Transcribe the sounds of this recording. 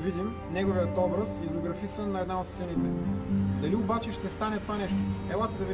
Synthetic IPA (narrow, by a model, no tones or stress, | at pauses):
vid̪im | nɛɡovijət̪ɔbɾɐsizoɡɾɐfisənːɐɛd̪naot̪sɛnit̪ɛd̪ɐliobat͡ʃɛʃt̪ɛst̪anɛt̪ovanɛʃt̪oɛlˠat̪əd̪ɐvi